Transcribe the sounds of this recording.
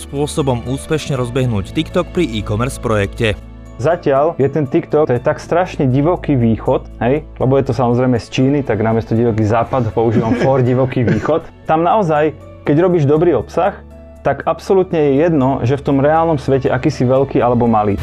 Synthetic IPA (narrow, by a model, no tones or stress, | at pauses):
spʊɔsɔbɔmuːspɛʃɲɛɾɔzbɛɦnuːct̪ikt̪ɔk̚pɾiʔiːkɔmɛɾspɾɔjɛkcɛ | zacɪaʎjɛt̪ɛnt̪ikt̪ɔt̪ɔjɛt̪akst̪ɾaʃɲɛɟiʋɔkiːʋiːxɔt̪ɦɛjlɛbɔjɛt̪ɔsamɔzɾɛjmɛst͡ʃiːnit̪aɡnamɪɛst̪ɔɟiʋɔkiːzaːpad̪ɦɔpɔuʒiːʋamfɔɾɟiʋɔkiːʋiːxɔt̪ːamnaɔzaj | kɛɟɾɔbiːʒd̪ɔbɾiːɔpsax | t̪aɡapsɔlut̪ɲɛjɛjɛd̪nɔʒɛft̪ɔmɾɛaːlnɔmsʋɛcɛʔakiːsiʋɛlkiːalɛbɔmaliː